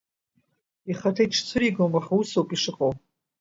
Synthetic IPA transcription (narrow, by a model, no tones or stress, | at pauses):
iχatʰaiʈ͡ʂʰt͡sʰɨɾiɡomaχusowpʼiʂɨqʼow